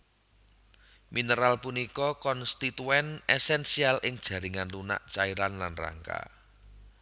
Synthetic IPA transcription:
minəɾalpunikɔkɔnst̪it̪uɛnɛsɛnsialʔɪŋd̥ʒ̥ä̤ɾɪŋanluna̰ʔt͡ʃaiɾanlanra̰ŋka̰

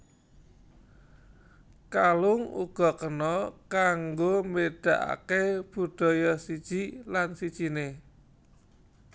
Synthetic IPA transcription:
kalʊŋṵɡ̥ɔ̤kənɔkaŋɡomeɖ̥a̤ʔa̰keb̥ṳɖ̪̥ɔ̤jɔsid̥ʒ̥i̤lansid̥ʒ̥i̤ne

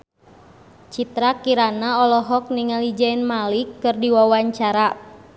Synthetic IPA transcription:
t͡ʃit̪ɾakiɾanaɔlɔɦɔk̚niŋalid͡ʒainmalikːɨrdiwawaɲt͡ʃaɾa

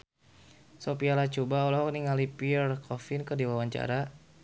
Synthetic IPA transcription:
sopialat͡ʃubaɔlɔɦɔkniŋalipiɛrkʰɔfinkərdiwawaɲt͡ʃa̰ɾa

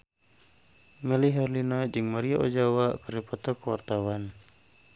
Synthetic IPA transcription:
ŋəliɦɛrlinad͡ʒɨŋmaɾiaʔɔd͡ʒawaʔkəɾipɔt̪ɔkəwa̰rt̪awan

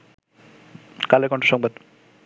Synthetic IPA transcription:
kalekɔɳʈoʃɔŋbad̪

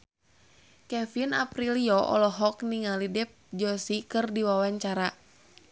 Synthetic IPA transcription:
kɛmfinapɾiliɔʔɔ̰lɔɦɔkniŋalidɛp̚d͡ʒɔsikɨrdiwawaɲt͡ʃaɾa

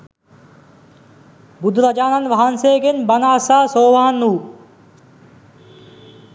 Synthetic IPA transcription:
bud̪ʱuɾad͡ʒaːnanʋaɦanseːɡenbanaːsaːsoːʋaɦanːuː

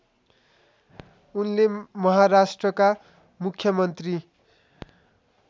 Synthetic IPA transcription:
unlemʌɦaɾasʈrʌka | mukʰːjʌmʌnt̪ri

